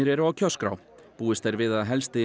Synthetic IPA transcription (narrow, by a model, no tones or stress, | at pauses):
ɪɾɛɾʏawcʰœskɾa̰w | puːɪst̪ɛɾvɪðaðɦɛlst̪ɪ